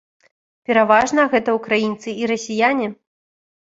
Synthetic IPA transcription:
pʲɛɾavaʐnɐɣɛt̪ɐukɾajint̪sɨiɾɐsʲijanʲi

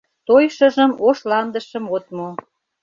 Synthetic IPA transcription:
t̪ojʃə̆ʒəmoʃlɑnd̪əʃəmot̪mo

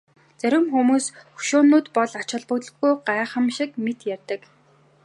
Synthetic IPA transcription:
t͡sæɾʲɪ̆mxumuːsxɵ̥ʃʊːnːʊːt̪pɔɮat͡ɕɪ̆ɮpə̆t̪ɮə̥̆xɡujɢaːχə̆mʃĭkmet̪jærʲt̪ə̆k

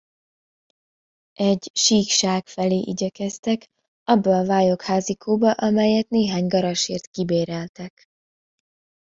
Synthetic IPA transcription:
ʔɛɟʃiːkʃaːkfɛleːʔiɟɛkɛst̪ɛk | ɒbːɒːvaːjo̞khaːzikʰuːbɒʔɒmɛjɛt̪neːɦaːɲɡɒɾɒʃeːrt̪kibeːɾɛlt̪ɛk

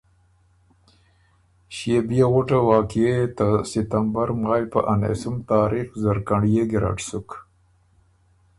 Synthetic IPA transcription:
ɕjebijeɣʊʈawɑːkiet̪asɪt̪ambaɾmɑːjpa̰ʔanḛsumt̪ɑːɾixzaɾkaɳɖijeɡiɾa̰ʈsuk

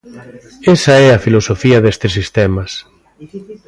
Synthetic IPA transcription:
esɐɛɐfilosofiɐðest̪ɪsist̪ɛmɐs

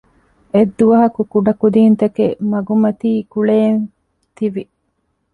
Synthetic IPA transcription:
ed̪ːuʋɐɦɐkukuɖɐkud̪iːnt̪ɐkemɐɡumɐt̪iːkuɭeːn | t̪iʋi

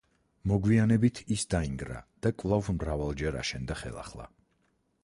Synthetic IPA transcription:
mɔɡwianɛbit̪ʰisd̪aiŋɡɾa̰d̪̥akʼvlˠavmɾavalˠd͡ʒɛɾa̰ʃɛnd̪aχɛ̰lˠa̰χlˠa̰

